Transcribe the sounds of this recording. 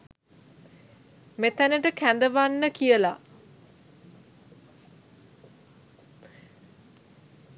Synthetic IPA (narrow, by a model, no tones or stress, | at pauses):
met̪ænəʈəkænd̪əʋanːəkijəla